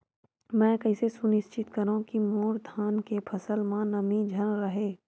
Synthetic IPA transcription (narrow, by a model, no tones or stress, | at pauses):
mɛ̃ːkɐɪsesʊnɪʃt͡ʃɪt̪kɐɾũkimoːɾd̪ʱaːnkepʰɐsəlmãnɐmĩd͡ʒʱɐnɾɐɦeː